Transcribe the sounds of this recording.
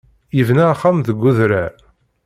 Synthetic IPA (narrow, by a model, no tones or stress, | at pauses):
jivnæːχːamðəɡʷːuðɾæɾ